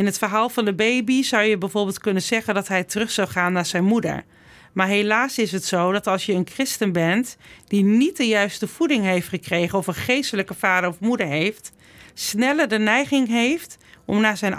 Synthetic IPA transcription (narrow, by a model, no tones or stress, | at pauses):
ɪnɦətfəɹɦaːlˠvɑndəbejbiz̥ɑwjəbɛjvoːɹbɪːlˠtkɵnənzɛχəndɑtɦɛjtərɵχsɑwχaːnːaːɹzɛjnmudə̰ɹ | maːɹɦelaːsɪsɦətsowdɑtɑlˠsjəənkrɪstənbɛntd̥init̚dəjœɥstəv̥udɪŋɦejftχəkrejχənɔfənχejstələkəv̥aːdəɹɔfmudəɹɦejft | snɛləɹdənɛjχɪŋɦejftɔmnaːɹzɛjn